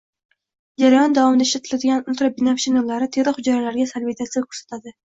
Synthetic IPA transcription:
d͡ʒaɾajɒnd̪avɒmɪd̪aɪʃt̪at̪ʰɪlad̪ɪɡʲanʊlˠt̪ɾabɪnapʃinolːaɾɪt̪ʰeɾɨχʊd͡ʒaɾalaɾɡʲasalbit̪ʰasɪjakʰʲɵ̥ɾsḁt̪ʰad̪ɪ

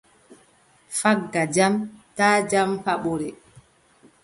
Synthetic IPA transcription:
faɡːad͡ʒamtaːd͡ʒampaɓɔɾɛ

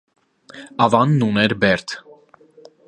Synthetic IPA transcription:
ɑvɑnːunɛɾbɛɾt̪ʰ

